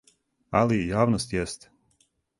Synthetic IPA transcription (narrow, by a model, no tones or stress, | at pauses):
alijaːʋnost̪jɛst̪